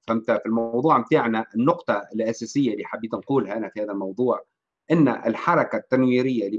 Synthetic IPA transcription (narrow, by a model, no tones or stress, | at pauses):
famt̪afilmɑwðˤuːʕmt̪aːʕnaʔɪnːʊqt̪ˤɑɪlʔasæsɪjːalːiːħabiːt̪nquːlɦæʔnæfihæːðalmɑwd̪ˤuːʕ | ʔɪnːa̰ʔɪ̰lħɑɾˤɑkat̪ːanwiːɾɪjːali